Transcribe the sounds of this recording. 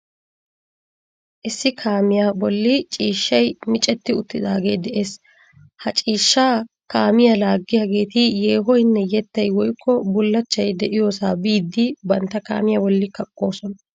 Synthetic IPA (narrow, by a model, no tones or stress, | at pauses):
ʔɪsːɪkʰaːmɪjaːbɔlːɪt͡ʃʼiːʃːɐjmɪt͡ʃʼɛt̪ːɪʊt̪ːɪd̪aːɡeːjd̪ɛʔe̞ːs | hɐt͡ʃʼiːʃːaː | kaːmɪjɐlaːɡːɪjɐɡe̞ːt̪ɪjeːɦɔjnːɛjɛt̪ːɐjwɔjkʰːɔbʊlːɐt͡ʃːɐjd̪ɛʔɪjo̞ːsaːbiːd̪ːɪbɐnt̪ːɐka̰ːmɪjabɔlːɪkɐkʼːo̞ːsɔn